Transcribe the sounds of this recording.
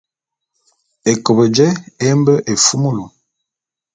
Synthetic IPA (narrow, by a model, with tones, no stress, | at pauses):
e˨kə˨bə˨d͡ʒɛ˦e˦mbə˦ʔe˨fu˦mu˦lo˨